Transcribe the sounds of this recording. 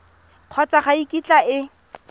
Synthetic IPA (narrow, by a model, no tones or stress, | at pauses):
q͡χʰɔt͡saχaikʼit͡ɬʼaɪ